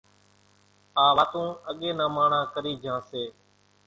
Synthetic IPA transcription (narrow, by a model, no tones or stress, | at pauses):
aːʋaːt̪ũːəɠeːnãːmaːɳãːkəɾiːd͡ʒʱãːseː